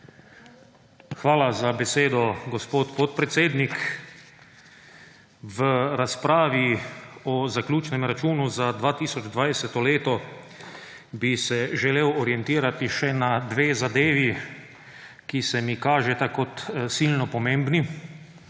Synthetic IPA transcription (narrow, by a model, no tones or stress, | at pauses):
xʋaːlazabɛseːd̪ɔɡospoːt̪pot̪pɾɛt̪seːd̪nik | ʋəɾaspɾaːʋiɔzaklʲuːt͡ʃnɛmɾat͡ʃuːnuzad̪ʋaːt̪iːsɔd͡ʒd̪ʋajsɛt̪ɔleːt̪ɔ | bisɛʒɛleːwɔɾiɛnt̪iːɾat̪iʃɛnad̪ʋeːzad̪eːʋi | kisɛmikaːʒɛt̪akɔt̪silnɔpɔmeːmbni